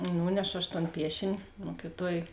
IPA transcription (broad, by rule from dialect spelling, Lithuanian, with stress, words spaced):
ˈnuːnʲɛʃoː ɐʃ toːn ˈpʲiɛʃʲɪnʲɪ ˈmoːkʲɪˌtuɔj